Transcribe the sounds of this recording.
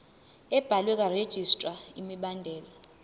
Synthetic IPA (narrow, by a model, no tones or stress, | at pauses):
ɛb̥ʱalwɛk̬ʼared̥ʒ̥ʱistʼraimiɓandʱɛːla